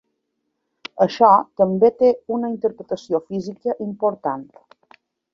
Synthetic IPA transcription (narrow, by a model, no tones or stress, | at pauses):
əʃɔt̪əmbet̪eunəint̪əɾpɾət̪əsiofizikəʔimpoɾt̪ant̪